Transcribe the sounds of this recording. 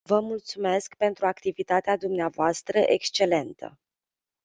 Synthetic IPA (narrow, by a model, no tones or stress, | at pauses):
vəmult̪sume̞skpe̞nt̪ɾuakt̪ivit̪at̪ead̪umneavoast̪ɾəʔe̞kst͡ʃe̞le̞nt̪ə̰